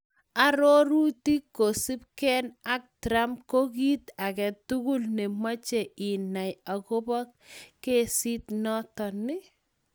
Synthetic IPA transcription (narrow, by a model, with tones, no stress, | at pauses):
a˨ɾo˦ɾu˦ti˦kːo˨si˦p̚kɛ˦na˦k̚tɾa˦mko˦ki˦t̪a˨kɛ˨tu˦ɡu˦lnɛ˨ma˦t͡ʃe˨ɪ˨na˨ja˨ko˦bɔ˦kke˦si˦tnɔ˦tɔ˨nɪ˦